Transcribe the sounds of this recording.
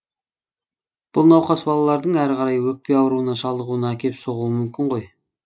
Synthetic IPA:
b̥ʊlˠnɑwqɑsbɑlˠɑlˠɑɾd̪əɴæɾʁɑɾɑjwɵk̚pe̞ɑwəɾuənɑʃɑlˠd̪əʁuənɑækʲe̞pso̞ʁuəmʏmkʲɪɴʁo̞j

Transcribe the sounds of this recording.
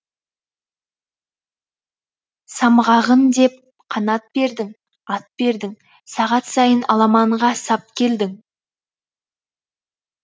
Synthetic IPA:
sɑmʁɑʁənd̪e̞p̚ | qʰɑnɑt̪̚b̥e̞ɾd̪ɪŋ | ɑt̪̚be̞ɾd̪ɪŋ | sɑʁɑt̪sɑjənɑlˠɑmɑɴʁɑsɑp̚kʲʰe̞ld̪ɪŋ

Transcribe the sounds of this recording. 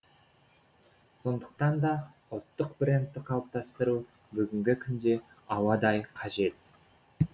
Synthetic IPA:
so̞nd̪əq̚t̪ɑnd̪ɑ | ʊlˠt̪ːəqbrʲe̞nt̪ːɪqʰɑwˠp̚t̪ɑst̪əɾu | bʏɡʲɪŋɡʲɪkʲʰʏnd̪e̞ | ɑwɑd̪ɑjqʰɑʒe̞t̪̚

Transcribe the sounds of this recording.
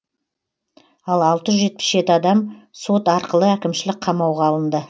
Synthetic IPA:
ɑlˠɑlˠt̪əʒʏʒe̞t̪̚pɪ̥sʒe̞t̪ɪɑd̪ɑmso̞t̪ɑɾqəlˠəækʲɪmʃɪlɪk̚qʰɑmɑwʁɑːlˠənd̪ə

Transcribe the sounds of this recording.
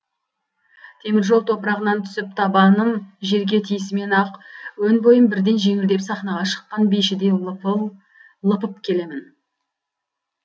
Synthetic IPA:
t̪ʰe̞mɪɾʒo̞lˠt̪ʰo̞pəɾɑʁənɑnt̪ʰʏ̥sɪp̚t̪ʰɑbɑnəmʒe̞ɾɡʲe̞t̪ʰijsɪme̞nɑqwɵnbo̞jəmbɪɾd̪e̞nʒe̞ŋɪld̪e̞psɑχnɑʁɑʃə̥qːɑnbejʃɪd̪e̞ | lˠəpəpkʲʰe̞le̞mɪn

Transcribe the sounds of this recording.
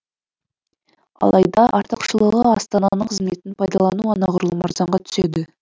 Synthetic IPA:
ɑ̰lˠɑjd̪ɑʔɑɾt̪əqʃəlˠəʁəɑ̰st̪ɑnɑnəɴqʰəzme̞t̪ɪnpʰɑjd̪ɑlˠɑnuɑnɑʁʊɾəlˠmɑɾzɑɴʁɑt̪ʰʏ̥sed̪ɪ

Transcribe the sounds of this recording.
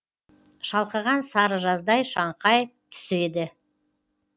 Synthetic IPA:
ʃɑlˠqəʁɑnsɑɾəʒɑzd̪ɑjʃɑɴqʰɑjt̪ʰʏ̥sed̪ɪ

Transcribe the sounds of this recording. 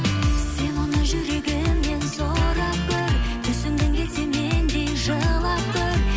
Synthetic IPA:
se̞nwonɑʒʏɾe̞ɡʲɪmːe̞nsoɾɑp̚kʰʲɵɾt̪ʰʏsɪmd̪ɪŋd̪ʲese̞nmend̪e̞jʒəlˠɑp̚kʲɵɾ

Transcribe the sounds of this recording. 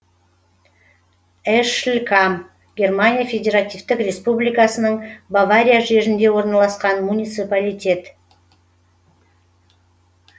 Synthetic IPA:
ɛʃlʲkʰam | ɡʲe̞rmanʲijafʲe̞dʲe̞ɾat̪ʲivt̪ɪkrʲe̞spublijkasənəɴbavaɾʲijaʒe̞ʒɪnd̪e̞wo̞ɾnɑlˠɑsqɑnmunʲijt̪sɨpalʲijt̪ʲe̞t̪

